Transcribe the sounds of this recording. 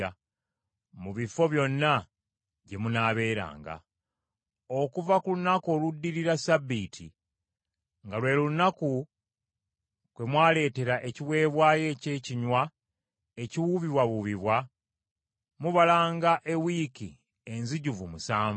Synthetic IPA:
a | muβifo̞βjo̞nːa | ɟe̞munaːβe̞ːɾa̰ːŋɡa̰ | o̞kuvakulunako̞ːludːiɾiɾasabitʰi | ŋɡalwe̞ːluunaku | kwe̞mwaːle̞ːte̞ɾaʔe̞ciwe̞ːβwaːje̞ce̞ːciɲwa | e̞ciwuβiβwaβuβiβwa | muβalaːŋɡaʔe̞wiki | enziɟuvumusaːɱ

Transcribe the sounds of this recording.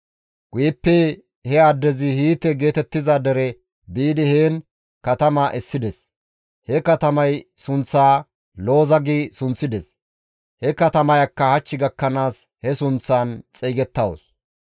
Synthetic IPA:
ɡ̥ʊjɛpːɛ | hɛɐd̪ːɛzɪhiːt̪ɛɡe̞ːt̪ɛt̪ːɪzaːd̪ɛɾɛ | biːd̪ɪheːn | kɐt̪ɐmaʔɛsːɪd̪ɛs | hɛkɐt̪ɐmɐjsʊnt͡sːaː | lo̞ːzɐɡiːsʊnt͡sːɪd̪ɛs | hɛkɐt̪ɐmɐjɐkːɐhɐt͡ʃːɪɡɐkːɐnaːshɛsʊnt͡sːaːnt͡sʼɛːɡɛt̪ːɐw̰s

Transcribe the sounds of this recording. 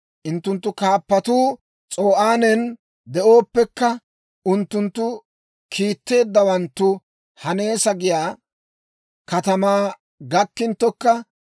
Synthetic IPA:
ʔʊnt̪ːʊnt̪ːʊkaːpːɐt̪uː | t͡sʼo̞ːʔaːnɛn | d̪ɛʔo̞ːpːɛkːɐ | ʊnt̪ːʊnt̪ːʊ | kʰiːt̪ːe̞ːd̪ːɐwɐnt̪ːʊ | hɐne̞ːsɐɡɪjaː | kɐt̪ɐmaː | ɡɐkːɪnt̪ːɔkːɐ

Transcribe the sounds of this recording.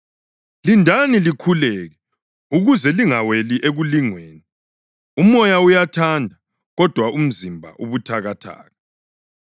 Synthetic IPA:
lindʱanilikʰulɛːɣɛ | uɣuzɛliŋaweliʔeɣuliŋweːni | umɔjaujatʰandʱa | ɣɔd̥ʱwaum̩zimbʱa̰ʔuβutʰaɣatʰa̰ːɣa

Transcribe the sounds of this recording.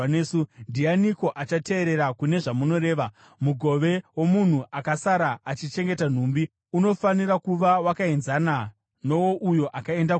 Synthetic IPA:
sundijaniko̞ʔat͡ʃate̞ːɾe̞ɾakune̞ʐamuno̞ɾeːʋa | muɡʱo̞ʋe̞wo̞mun̤uʔakasaɾaːt͡ʃit͡ʃe̞ŋɡe̞tan̤uːmbi | uno̞fanirakuʋawakaenzaːna | no̞woʔujo̞ʔakae̞nda

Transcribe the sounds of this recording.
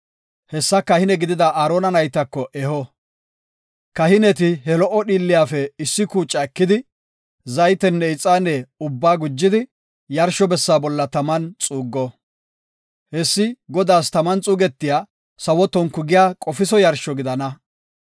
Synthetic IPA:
hɛsːɐkɐhɪnɛɡɪd̪ɪd̪ɐʔaːɾoːnɐnɐjt̪ːɐkːɔʔɛhɔ | kɐhɪnɛt̪ɪɦɛlɔʔɔɗiːlːɪjaːfɛɪsːɪkuːt͡ʃʼːɐɛkːɪd̪ɪ | zɐjt̪ɛnːɛɪt͡sʼːaːnːɛʊbːaːɡʊd͡ʒːɪd̪ɪ | jɐɾʃɔbɛsːaːbɔlːɐt̪ɐmɐnt͡sʼuːɡːɔ | hɛsːɪɡɔd̪aːst̪ɐmɐnt͡sʼuːɡɛt̪ːɪjaː | sɐwɔt̪ːɔnkʊɡɪjaːkʼɔfɪsɔjɐɾʃɔɡɪd̪ɐnɐ

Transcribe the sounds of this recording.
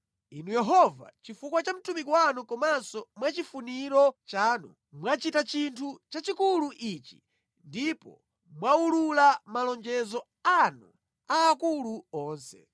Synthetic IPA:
inujɛɦɔva̰t͡ʃifukwat͡ʃam̩tumikwanukɔmansɔmwat͡ʃifuniɾɔt͡ʃaːnu | mwat͡ʃitat͡ʃintʰut͡ʃat͡ʃikuluʔit͡ʃi̥ | ndipɔ̰ | mwaululamalɔnd͡ʒɛzɔ | anu | aːkuluɔːnsɛ̰

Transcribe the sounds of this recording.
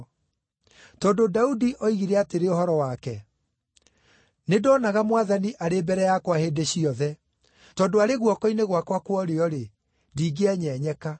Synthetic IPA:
tɔdodaudiʔɔiɣiɾɛateɾeohɔɾɔwakɛ | nedɔnaɣamwaðaniʔaɾebɛɾɛjakwahedeɕiɔðɛ | tɔːndoaɾeɣwɔkɔineɣwakwakwɔɾeɔɾe | diːɡeaɲɛɲɛka

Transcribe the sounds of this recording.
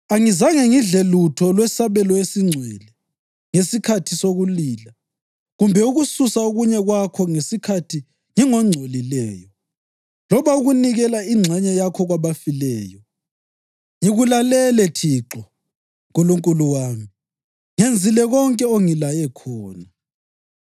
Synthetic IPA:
aŋizaŋeŋiɮelutʰɔlwɛsaβɛlɔesiŋ͡ǀʱwɛlɛ | ŋesikʰatʰisoɣuliːla | ɣumbʱɛuɣususaoɣuɲɛɣwakʰɔŋesikʰatʰi | ŋiŋɔŋ͡ǀʱolilɛːjɔ | lɔβauɣuniɣɛlaiŋ͡ǀʱɛɲɛjakʰɔɣwaβafilɛːjɔ | ŋiɣulalɛlɛtʰiːǁɔ | kuluŋkʼuluwaːmi | ŋend͡zʱilɛɣɔŋkʼɛoŋilajɛkʰɔːna

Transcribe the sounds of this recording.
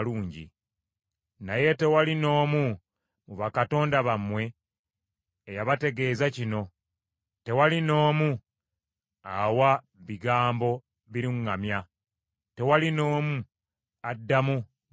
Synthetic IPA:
luːɲɟḭ | naje̞te̞walino̞ːmu | muβakato̞ːndaβamwe̞ | jaβate̞ɡe̞ːzacino̞ | te̞walino̞ːmu | awa | βiɡaːmbo̞ | βiɾiŋːamja | te̞walino̞ːmu | adːamu

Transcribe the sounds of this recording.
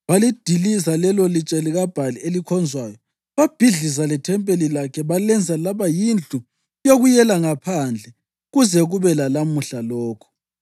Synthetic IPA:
βalid̥ʱilizalɛlolit͡ʃʼeliɣab̥ʱalielikʰɔnd͡zʱwaːjɔ | βab̥ʱiɮis̬alɛtʰɛmpʼelilakʰɛβalɛnd͡zʱalaβajind͡ɮʼu | joɣujɛlaŋapʰand͡ɮʱɛ | ɣuzɛɣuβɛlalamuɬalɔːkʰɔ̥

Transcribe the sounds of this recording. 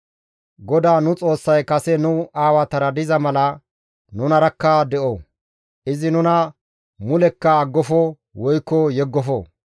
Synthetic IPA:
ɡɔd̪aːnʊt͡sʼo̞ːsːɐjkɐsɛnʊaːwɐt̪ɐɾɐd̪ɪzɐmɐlɐ | nʊnɐɾɐkːɐd̪ɛʔɔ | ʔɪzɪnʊnɐ | mʊlɛkːɐːɡːɔfɔ | wɔjkːɔjɛɡːɔfɔ

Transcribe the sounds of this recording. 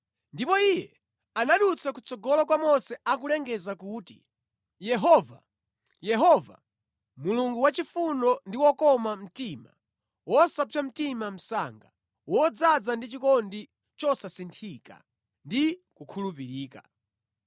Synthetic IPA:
ndipɔijɛ | anaɗut͡sʰakut͡sɔɡɔlɔk̬wamɔsɛak̬ulɛŋɡɛzakuːti | jɛɦɔva̰ | jɛɦɔva̰ | muluŋɡuwat͡ʃifundɔndiwɔkɔmam̩tima | wɔsapam̩timam̩sa̰ŋɡa | wɔd͡zad͡zandit͡ʃikɔndi | t͡ʃɔsasintʰika̰ | ndikukʰulup̬iɾiːka̰

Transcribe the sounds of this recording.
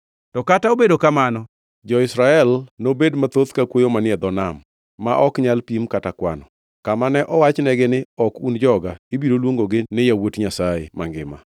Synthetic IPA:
tɔkataobedokamanɔ | d͡ʒɔɪsɾaɛlnobedmat̪ot̪kakwojomanɪɛd̪ɔnamː | aʔɔkɲalpimkatakwa̰nɔ | kamanɛʔɔwat͡ʃnɛɡɪnɪɔkund͡ʒɔɡaibiɾolwoŋɡoɡɪnɪjawotɲasajḛmaŋɡɪma̰

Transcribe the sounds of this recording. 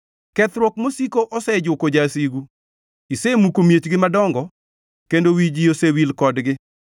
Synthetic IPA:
kɛt̪ɾwɔkmosikoʔɔsɛd͡ʒʊkod͡ʒasiɡu | isemukomjet͡ʃɡɪmadɔŋɡɔ | kendowid͡ʒiosewilkɔdɡɪ

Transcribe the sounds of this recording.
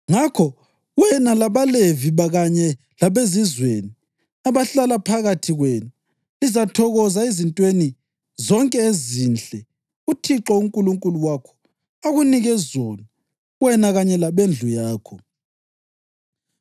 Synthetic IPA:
ŋakʰɔ | ɣwɛnalaβaleviβaɣaɲɛ | laβezizweni | aβaɬalapʰaɣatʰiɣwɛna | lizatʰɔɣɔzaezintʼweni | zɔŋkʼɛezind͡ɮʱʼɛ | utʰiǁɔuŋkʼuluŋkʼuluwakʰɔ̥ | aɣuniɣɛzɔna | wɛnaɣaɲɛlaβend͡ɮʱujaːkʰɔ

